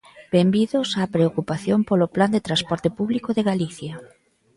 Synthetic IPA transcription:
b̥embiðosapɾeokupaθjompolopland̪et̪ɾaspɔɾt̪ɪpuβlikoðeɣaliθjɐ

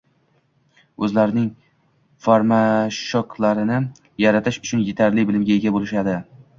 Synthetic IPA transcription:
ɵzlaɾɪnɪŋ | faɾmaʃɒkʰlaɾɪnɪ | jaɾat̪ʰɪʃʊ̥t͡ʃʰʊnjet̪ʰaɾlɪbɪlɪmɡʲaeɡʲabolɪʃad̪ɪ

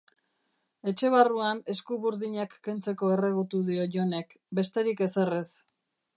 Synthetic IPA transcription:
e̞t͡ʃe̞βaruane̞skuβuɾðiɲakːe̞nt͡se̞ko̞e̞re̞ɣ̞ut̪uðio̞ʝo̞ne̞k | be̞st̪e̞ɾike̞se̞res

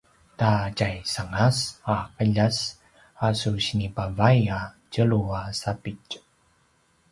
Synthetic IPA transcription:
tacajsaŋasaqəʎas | asuɕinipavaja | cəɭuasapic

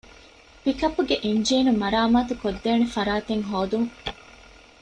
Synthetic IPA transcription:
pikɐpːuɡeʔeɲd͡ʒiːnumɐɾaːmaːt̪ukod̪ːeːnefɐɾaːt̪eŋɦoːd̪uŋ

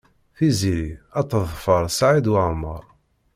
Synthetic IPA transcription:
θiziɾiɑt̪ːəðˤfəɾˤsaʕid̪wəʕmə̰ɾˤ

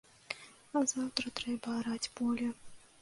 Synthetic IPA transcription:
ɐzawt̪ɾɐt̪ɾɛbɐːɾad͡zʲbɔlʲɛ

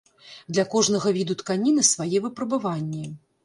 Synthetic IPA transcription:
d̪lʲɐkɔʐnɐɣɐvʲid̪ut̪kanʲinɨsvajɛvɨpɾɐbavanʲːɛ

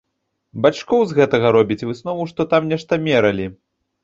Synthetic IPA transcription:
bat͡ʂkɔwzɣɛt̪ɐɣɐɾɔbʲit͡sʲvɨsnɔvuʂt̪ɔt̪amnʲɛʂt̪ɐmʲɛɾɐlʲi

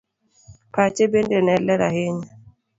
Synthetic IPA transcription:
pat͡ʃebendenɛlɛɾa̰heɲa

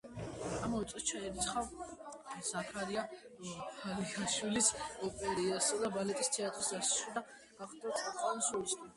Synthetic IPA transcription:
amɔit̪sʼist͡ʃʰaɛɾit̪sʰχav | z̥akʰaɾia | halikʰaʃwilisɔpʼɛɾiasad̪abalɛt̪ʼist̪ʰɛat̪ʼɾisɡ̪asʃid̪a | ɡ̥aχd̪at̪ʼasʼalˠsulisʼ

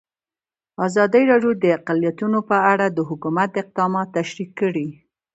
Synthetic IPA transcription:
ɑzɑd̪əɾɑɖjod̪əaqalijat̪unopəaɽad̪əɦʊkumat̪̚d̪əɪq̚d̪ɑmɑt̪ːaʃɾikːəɽi

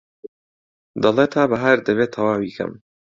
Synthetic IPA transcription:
d̪ɐlˠeːt̪ʰaːbɐɦaɾd̪ɐβeːt̪ʰːɐwaːwiːkʰɐ̰m

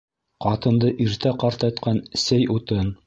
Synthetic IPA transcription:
qɑt̪ɤ̆nd̪ɤʔiɾt̪æqɑɾt̪ɑt̪qɑnsɘjut̪ɤn

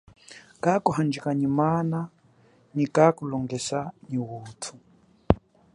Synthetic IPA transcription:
kakuɦand͡ʒikaɲimana | ɲikakulɔŋɡɛsaɲiwuːtʰu̥

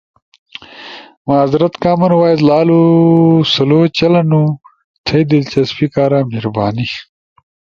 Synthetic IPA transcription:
maːzɾɐt̪kaːmɐnwaːizlaːlu | sɐloːt͡ɕɐlɐnu | t̪ʰɐjd̪ilt͡ɕɐspikaːɾaːmhiɾbaːni

